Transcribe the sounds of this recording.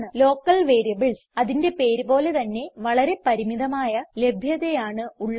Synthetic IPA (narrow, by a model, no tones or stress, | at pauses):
ɳɨlo̞ːkːɐlʋe̞ːɾijɐbɨɭsɐðinde̞pe̞ːɾubo̞ːle̞t̪ɐnːe̞ʋɐɭɐɾe̞pɐɾimiðɐmaːjɐle̞bʱjɐðejaːɳɨuɭːɐ